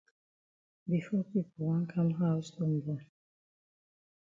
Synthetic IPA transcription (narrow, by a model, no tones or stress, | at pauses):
bifɔpipɔl̩wãnkʰãmɦaʊsfɔ̃mdɛ